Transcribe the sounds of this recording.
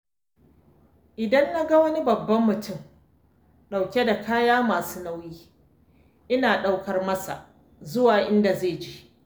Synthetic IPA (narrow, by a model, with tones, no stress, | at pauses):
ʔɪ˨dɐ˦nːa˦ɡa˦wɐ˦ni˦bɐ˨bːɐ˦mːʊ˨tʊ˦˨m | ɗa˨wkʲe˦da˨kʰaː˦jaː˦maː˨suː˦na˦wjiː˦ | ʔɪ˦naː˨ɗa˦wkɐ˨rmɐ˦sa˨ʔ | zʊ˦waː˨ʔɪ˦nda˨zeː˦˨d͡ʒi˦ʔ